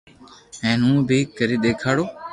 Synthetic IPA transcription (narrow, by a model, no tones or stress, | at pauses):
ɛ̃ːnũːbʱiːkəɾiːɗ̪eːkʰaːɽoː